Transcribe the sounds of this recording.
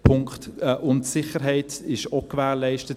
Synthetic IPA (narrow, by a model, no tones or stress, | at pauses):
pʰʊŋkχtːʔʊntsɪχəɾɦɛɪtɪʃokvæːlɛɪʃtət